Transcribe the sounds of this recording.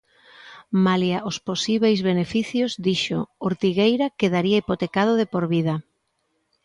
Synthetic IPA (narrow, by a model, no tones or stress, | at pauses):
maljaʔosposiβejzβenefiθjozd̪iʃo̰oɾt̪iɣejɾakeðaɾiaipot̪ekað̞oðepoɾβiða